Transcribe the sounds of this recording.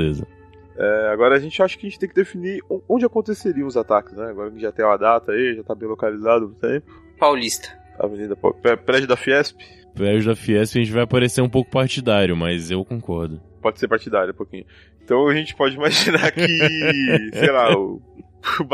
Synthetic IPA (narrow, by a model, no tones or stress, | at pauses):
lezɐ̰ | ɛaɡɔɾɐːʒẽt͡ʃɪaʃʊ̥kɪɐʒẽnt͡ʃɪt̪ẽkɪd̪efiniõõnd͡ʒɪakõnt̪eseɾiɐ̃ʊzat̪akɪ̥snɛaɡɔɾɐ̃ʒat̪ẽj̃ũmɐd̪at̪ɐiʒat̪abẽj̃lokalizad̪ʊũt̪ẽpʊ̥ | pawlist̪ɐ̥ | a̰venid̪ɐpɔ̰pɛpɾɛd͡ʒʊd̪afiɛspɪ̥ | pɾɛd͡ʒʊd̪afiɛspɪɐʒẽnt͡ʃɪvajapaɾeseɾũpowkʊ̥paɾt͡ʃid̪aɾjʊmɐzewkõkɔɾd̪ʊpɔd͡ʒɪseɾpaɾt͡ʃid̪aɾjɐũpokĩɲʊ | ẽt̪ɐ̃w̃aʒẽt͡ʃɪ̥pɔd͡ʒɪimaʒinaɾkɪ | sejlaʊ